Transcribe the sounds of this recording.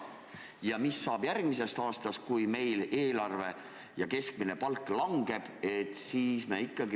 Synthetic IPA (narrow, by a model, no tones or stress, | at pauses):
jɑmisːɑːb̥jærɡ̥mise̞st̪ɑːst̪ɑst̪̚kujme̞jle̞ːlɑrve̞ | jɑke̞sk̚mine̞pɑlkːˑlɑŋɡ̥e̞b̥e̞t̪ˑsiːsmeikːˑɑɡi